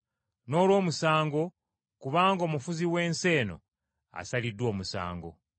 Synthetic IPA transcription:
no̞ːlwo̞ːmusaːŋɡo̞ | kuβaːŋɡo̞ːmufuziwe̞ːnse̞ːno̞̰ | a̰salidwo̞ːmusa̰ːŋɡo̞̰

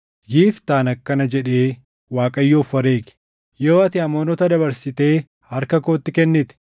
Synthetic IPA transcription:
jiːft̪aːnɐkːɐnɐd͡ʒɛᶑe̞ː | waːkʼɐjːoːfɐɾe̞ːkɪ̥ | joːɐt̪ɪɐmoːnɔt̪ɐd̪ɐbɐɾsɪt̪e̞ː | hɐɾkɐkoːt̪ːɪkɛnːɪt̪ɪ̥

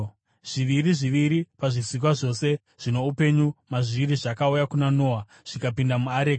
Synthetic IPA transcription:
ʐ̥iʋiɾiʐiʋiɾipaʐisik̬waʐo̞se̞ | ʐ̥ine̞upe̞ɲumaʐiiɾiʐakaujakunano̞ːwa | ʐ̥ikapindamuaɾeːka

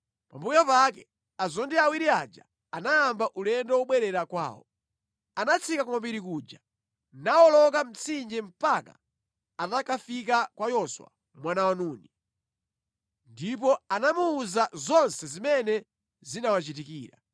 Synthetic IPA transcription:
pambujɔpakɛ | azɔndiawiɾia̰d͡ʒa̰ | anajambaʔulɛndɔwɔɓwɛɾɛɾakwa̰ːwɔ̰ | anat͡sʰikakumambiɾikuːd͡ʒa | nawɔlɔk̬am̩t͡sʰind͡ʒɛm̩paka̰ | atakafik̬akwajɔswa̰ | mwanawanuni | ndip̬ɔanamuːzazɔnsɛzimɛnɛ | zinawat͡ʃit̬ikḭːɾa̰

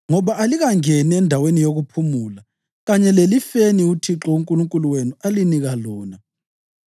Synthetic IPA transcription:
ŋɔβaʔaliɣaŋɛniɛndʱawenijoɣupʰumula | ɣaɲɛlelifeniutʰiǁɔuŋkʼuluŋkʼuluwenualiniɣalɔːna

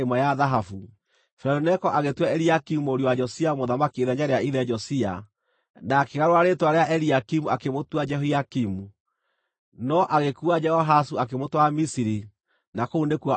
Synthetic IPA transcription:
emwajaðaɦafu | fɾɛɾunɛkɔʔaɣetwɛɛɾiakimuoɾiowad͡ʒɔsiamoðamakieðɛɲaɾeaiðɛd͡ʒɔsia̰ | naːkeɣaɾoaɾetwaɾeaʔɛɾiakimuakemotwad͡ʒɛɦoiakimu | nɔʔaɣekuad͡ʒɛhɔɦasuak̬emotwamisiɾi | nakounekua

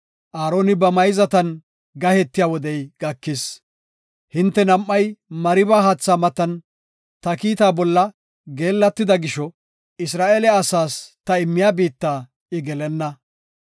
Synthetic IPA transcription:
ʔaːɾo̞ːnɪbɐmɐjzɐt̪ɐn | ɡɐhɛt̪ːɪjaːwɔd̪ɛjɡ̥ɐkːɪs | hɪnt̪ːɛnɐmːɐjmɐɾɪbaːɦaːt͡sːaːmɐt̪ːɐn | t̪ɐkiːt̪aːbɔlːɐ | ɡe̞ːlːɐt̪ːɪd̪ɐɡɪʃɔ | ɪsɾaːʔeːlɛɐsaːst̪ɐɪmːɪjaːbiːt̪ːaː | ɪɡɛlɛnːɐ

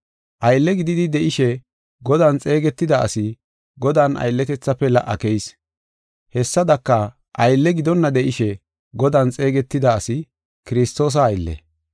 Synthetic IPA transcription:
ʔɐjlːɛɡɪd̪ɪd̪ɪd̪ɛʔɪʃɛ | ɡɔd̪ant͡sʼe̞ːɡɛt̪ːɪd̪ɐɐ̰sɪ | ɡɔd̪aːnɐ̰jlːɛt̪ɛt͡sːɐpːɛlɐ̰ʔɐkɛjs | hɛsːɐd̪ɐkːɐ | ʔɐjlːɛɡɪd̪ɔnːɐd̪ɛʔɪʃɛ | ɡɔd̪ɐːnt͡sʼe̞ːɡɛt̪ːɪd̪ɐːsɪ | kɪɾɪst̪o̞ːs̬ɐːjlːɛ̰

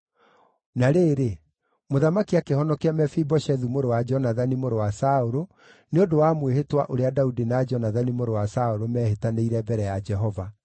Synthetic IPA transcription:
naɾeːɾe | moðamakiakehɔnɔkeamɛfibɔʃɛðumoɾowad͡ʒɔnaðanimoɾowasaoɾo | neodowamwehetwa̰ʔoɾeadaudinaːd͡ʒɔnaðanimoɾowasaoɾomɛːhetaneiɾɛbɛɾɛjad͡ʒɛɦɔva

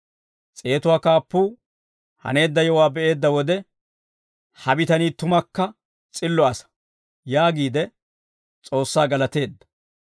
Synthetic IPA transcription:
t͡sʼe̞ːt̪ʊwaːkaːpːuː | hɐ̰ne̞ːd̪ːɐjɔwaːbɛʔe̞ːd̪ːɐwɔd̪ɛ | hɐbɪt̪ɐniːt̪ʊmɐkːɐ | t͡sʼɪlːɔɐsɐ̥ | jaːɡiːd̪ɛ | t͡sʼo̞ːsːaːɡɐlɐt̪e̞ːd̪ːɐ̥

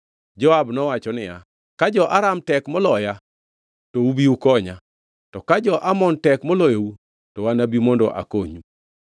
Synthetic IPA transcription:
d͡ʒɔabnɔwat͡ʃɔnɪja | kad͡ʒɔʔaɾamtɛkmɔlɔja | toubiukɔɲa | tɔkad͡ʒɔʔamɔntɛkmɔlɔjou | tɔwanabimɔndɔ̰ʔa̰koɲu

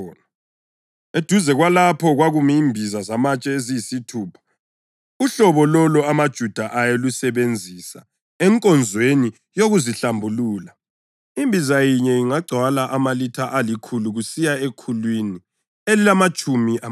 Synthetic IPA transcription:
ed̥ʱuzɛɣwalapʰɔɣwaɣumiimbʱizazamat͡ʃʼɛezijisitʰuːpʰḁ | uɬɔβɔlɔlɔamad̥ʒ̥ʱud̥ʱaʔajelusɛβend͡zʱisa̰ | ɛŋkʼɔnd͡zʱweni | joɣuziɬambʱuluːla | imbʱizajiɲɛiŋaɡ͡ǀʱwalaʔamalitʰaʔalikʰuluɣusijaekʰulwini | elilamat͡ʃʼumiʔa

